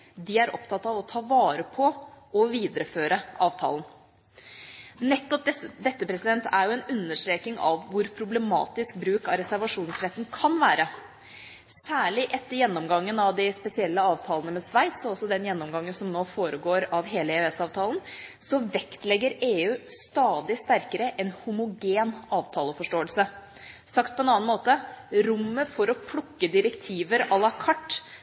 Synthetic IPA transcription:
d̪ɪæɾʔɔ̰pt̪ʰɑt̪ːɑʋɔt̪ʰɑːʋɑːɾəpʰɔɔʋiːd̪əɾəføːɾəɑːʋt̪ʰɑ̰ːln | nɛt̪ːɔp̪̚ɛd̪ɛt̪ːəpɾɛsɪd̪ɛnt̪ʰæɾjʊɛnʉnːəʂʈɾeːknɪŋɑ̰ʋːʊɾpʰɾʊblɛmɑ̰ːt̪ɪsk̚bɾʉːkɑɾɛsæɾʋɑʂuːnsɾɛt̪ːn̩kʰɑnʋæːɾə | sæːɭɪʔɛt̪ːəɾjɛnːɔmɡɑŋːənɑʋd̪ɪspɛsɪɛlːəɑːʋt̪ʰɑːlənəmɛsʋæɪt̪sɔɔsːɔd̪ɛnjɛnːɔmɡɑŋːənsɔmnoːfoːɾəɡoːɾɑʋɦeːləɛøɛsɑːʋt̪ʰɑːlənsɔʋɛkt̪lɛɡːəɾeːʉːst̪ɑːd̪ɪst̪æɾkəɾəʔɛnhʊmʊɡeːnɑːʋt̪ʰɑːləfɔʂʈoːəlsə | sɑk̚t̪̚pʰɔɛnɑːnmoːt̪əɾʊmːəfɔɾɔpʰlɔkːəd̪ɪɾɛkt̪ʰiːʋəɾɑlɑkʰɑʈː

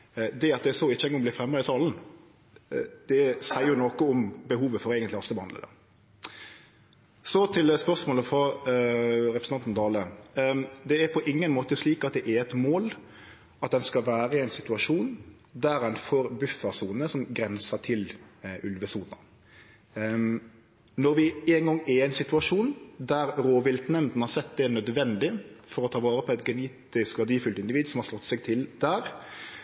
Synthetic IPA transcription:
d̪ɛɑt̪̚d̪ɛsɔɪt͡ʃːəɛŋɡɔŋblɪːfɾɛmːɑɪsɑːln̩ | d̪̥ɛsæɪjʊnoːkəʊmbəɦuːʋəfɔɾeːɡənlɪɑst̪əbəhɑnd̪ə̰d̪ə̰ | sɔt̪ʰɪlspœʁsmoːləfɾɑ | ɾɛpɾsn̩ɑnt̪n̩t̪ʰɑːlə | d̪ɛæɾpʰɔʔɪŋːənmoːt̪əsliːkɑt̪̚d̪ɛʔæɾɛt̪moːl | ɑt̪̚d̪ɛnskɑʋæːɾəɪæɪnsɪt̪ʉɑʂuːn | d̪æɾɛnfoːɾbʉfːɑsuːnəsɔmɡɾɛnsɑʈ̪ʰɪlʔʉlʋəsuːnɑ̰ | nɔɾʋɪɛːnɡɑŋːɛɛɪnsɪt̪ʉɑʂuːnd̪æɾɾoːʋɪlt̪nɛmd̪n̩hɑɾsɛt̪ːd̪ɛnœd̪ʋɛnd̪ɪfɔɾɔt̪ʰɑːʋɑːɾəpʰɔɛt̪ɡɛneːt̪ɪskʋɑd̪iːfʉlt̪ɪnd̪ɪʋiːd̪sɔmhɑɾʂlɔt̪ːsɛɡt̪ʰɪld̪̥æːɾ

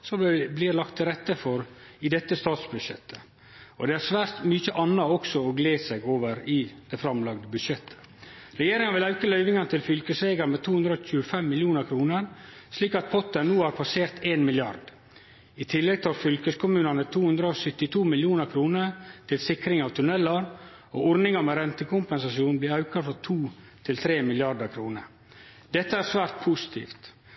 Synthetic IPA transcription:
sɔblɪɾlɑkt̪ʰːɪlɾɛt̪ːəfɔɾɪd̪ɛt̪ːəst̪ɑːt̪sbʉd̪ʃɛt̪ʰːə̥ | ɔd̪ɛæɾʂʋæːɾt̪myːçəʔɑnːɑɔksɔɔɡleːsɛɡoːʋəɾɪd̪̥ɛfɾɑmlɑɡd̪əbʉd̪ʂɛt̪ʰːə̥ | ɾɛjeːɾɪŋɑnʋɪlɑʉkəlœʏʋɪŋɑnət̪ʰɪlfʏlkəsɾeːɡɑɾmɛt̪ʰuːʉnd̪ɾəɔːçʉəfɛmːɪljuːnəɾkʰɾuːnəɾ | sliːkɑt̪̚pʰɔt̪ːənuːhæːɾpʰɑseːɾt̪eːnmɪljɑ̰ɾd̪ | ɪt̪ʰɪlːɛɡ̚t̪ɪɑʋfʏlkəskʊmʉːnɑnət̪ʰuːhʉnd̪ɾəosœt̪ːɪt̪ʰuːmɪljuːnəɾkʰɾuːnəɾt̪ʰɪlsɪkɾɪŋɑʋt̪ʰʉnɛlːɑɾ | oːɔɾnɪŋəmɛɾɛnt̪əkʊmpɛnsɑsjuːnb̪iːɑʉkɑfɔɾt̪ʰuː | t̪ʰɪlt̪ʰɾeːmɪlɪɑɾɖ̪əɾkʰɾuːnə̰ɾ | d̪ɛt̪ːəæɾsʋæːɾt̪̚pʰʊsɪ̥t̪ʰḭːft̪

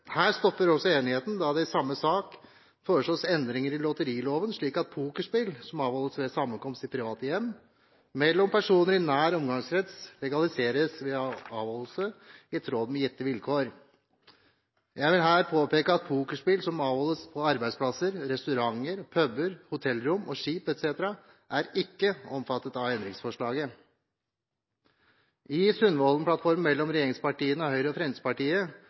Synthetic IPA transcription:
hæːst̪ɔpːəɾɔsɔeːnɪheːt̪n̩d̪ɑd̪ɛsɑmːəsɑːk | føːʂɔsɛnd̪ɾɪŋəɾɪlɔt̪əɾiːloːʋənʂɭiːkɑt̪̚pʰuːkəʂpɪlsɔmɑːʋhɔlːəsʋɛsɑmːənkɔmst̪ɪpʰɾɪʋɑːt̪əjɛmː | mɛlːɔmpʰæʂuːnəɾɪnæːɾɔmɡɑŋsɾɛt̪slɛɡɑlɪseːɾəsʋɛɑːʋhɔləl̩səɪɛt̪ʰɾoːd̪mɛjɛt̪ːəʋɪlkʰoːɾ | jæɪʋɪlɦæːɾpʰoːpeːkəɑt̪̚pʰuːkəʂpɪlsɔmɑːʋhɔlːəspʰɔɑɾbæɪspʰlɑsəɾɾɛst̪ʉɾɑŋːəɾpʰœbəɾhʊt̪ʰɛlːɾʊmɔʃiːpɛt̪seːt̪əɾɑ | ʔæɾɪkːəɔmfɑt̪ːət̪ɑʋɛnd̪ɾɪŋsfɔʂɭɑːɡə | ɪsʉnʋɔlnəplɑt̪fɔɾmmɛlːɔmɾɛjeːɾɪŋspɑʈiːənəɔhœʏɾəɔfɾɛnspɑʈiːə

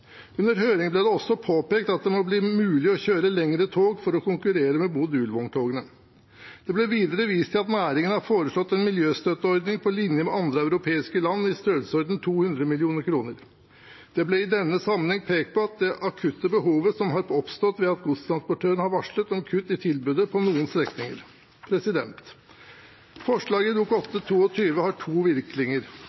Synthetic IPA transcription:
ʉnd̪əɾɦøːɾɪŋblɛd̪ɛɔsːɔpʰoːpeːk̚t̪ɑt̪̚d̪ɛmɔbliːmʉːlɪɔçøːɾəlɛŋɾət̪ʰoːɡfɔɾɔkʊŋkʉɾeːɾəmɛbud̪ʉːlʋɔŋt̪ʰoːɡənə | d̪̥ɛblɛʋiːd̪əɾəʋiːst̪ʰɪlɑt̪næːɾɪŋənəhɑɾfoːɾəʂlɔt̪ːɛnmɪljøːst̪œt̪ːəɔɾd̪nɪŋpʰɔlɪnjəmɛɑnd̪ɾəæʉɾʊpʰeːɪskəlɑnːɪst̪øːəlsəɔɾd̪n̩t̪ʰuːhʉnd̪ɾəmɪlɪuːnəɾkʰɾuːnəɾ | d̪̥ɛblɛɪd̪ɛnːəsɑmənhɛŋpʰeːk̚t̪̚pʰɔɑt̪̚d̪ɛʔɑkʰʉt̪ːəbəɦuːʋəsɔmɦɑɾɔpst̪ɔt̪ʋɛɑt̪̚ɡʊst̪ʰɾɑnspɔʈʰøːɾəɳhɑɾʋɑʂɭət̪ɔmkʰʉt̪ːɪt̪ʰɪlbʉd̪əpʰɔnuːənst̪ɾɛknɪŋə̰ɾ | pʰɾɛsɪd̪ɛnt̪ | fɔʂɭɑːɡəd̪uːkɔt̪ːət̪ʰuːɔt̪ʰyːʋəhɑʈʰuːʋɪɾklɪŋəɾ

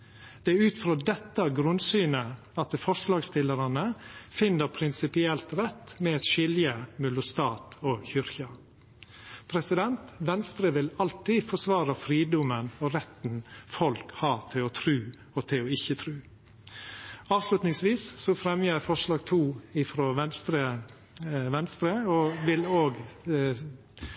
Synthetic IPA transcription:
d̪̥ɛæʉːt̪fɾoːd̪ɛt̪ːəɡɾʉnsyːnə | ɑt̪fɔʂlɑːɡst̪ɪlːəɾɑnəfɪnːəɾpʰɾɪnsɪpɪɛlt̪ɾɛt̪ːmɛɛt̪ʃɪljəmʉlʊst̪ɑːt̪ɔçʏɾçɑ | pʰɾɛsɪd̪ɛnt̪ʋɛnst̪ɾəʋɪlɑlt̪iːfɔʂʋɑːɾəfɾiːd̪ʊmənɔɾɛt̪n̩fɔlkhɑːt̪ʰɪlɔːt̪ʰɾʉː | ɔt̪ʰɪlɔɪçːət̪ʰɾʉː | ɑːʋslʉt̪nɪŋsʋiːssɔfɾɛmjəfɔʂɭɑːɡt̪ʰuːɪfɾoːʋɛnst̪ɾə | ʋɛnst̪ɾəɔʋɪloːɡ

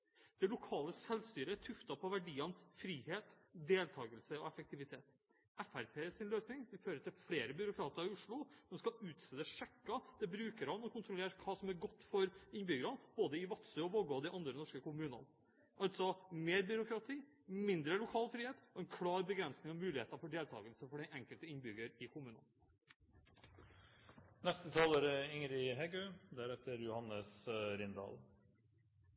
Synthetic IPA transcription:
d̪̥ɛlʊkʰɑːləsɛlst̪yːɾəɛʈʰʉft̪ɑpʰɔʋæɖiːɑnfɾiːheːt̪d̪eːlt̪ʰɑːɡəlsəɔ̰ɛfək̚t̪ɪʋɪt̪ʰeːt̪ | ɛfæɾpʰeːsɪnløːsnɪŋʋɪlføːɾəʈ̪ʰɪlfɽeːɾəbʏɾʊkʰɾɑːt̪əɾɪʊʂɭʊsɔmskɑʉːt̪sɛd̪əʂɛkːɑd̪̥ɛbɾʉːkəɾhɑnɔkʰʊnt̪ɾʊleːɾkʰɑːsɔmæɾɡɔt̪ːfɔɾɪnbʏɡəɾɑnb̥oːd̪əɪʋɑt̪səɔʋɔlɡɔd̪ɪʔɑnd̪ɾənɔʂkəkʊmʉːnɑ̰n | ʔɑlt̪sɔmeːɾbʏɾʊkɾɑt̪ʰiː | mɪnd̪ɾəlʊkʰɑːlfɾiːheːt̪ɔɛnkʰlɑːɾbəɡɾɛnsnɪŋɑmʉːlɪheːt̪ɑfɔɖeːlt̪ʰɑ̰ːɡəlsəfɔɖɛnɛŋkəlt̪əɪnbʏɡəɾɪkʰʊmʉːnə̰n | nɛst̪ət̪ʰɑːləɾɪŋɾɪɦɛɡøːd̪æɾɛt̪əɾjʊhɑnəsɾɪnd̪ɑ̰l

